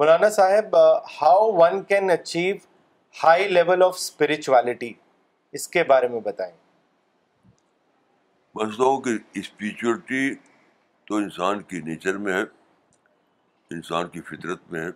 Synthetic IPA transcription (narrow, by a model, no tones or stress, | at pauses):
mʊlaːnasaːɦɪbhaʊʋɐ̃nkɛ̃nɐt͡ʃiːʋ | haːɪleʋəlɔːfspɪɾɪt͡ʃuɛːlɪʈi | ɪskebaːɾemẽbɐt̪aːẽː | bɐsloɦõkiɪspiːt͡ʃuəlʈi | t̪oɪnsaːnkineːt͡ʃəɾmẽɦɛ | ɪnsaːnkifɪt̪ɾət̪̚mẽɦɛ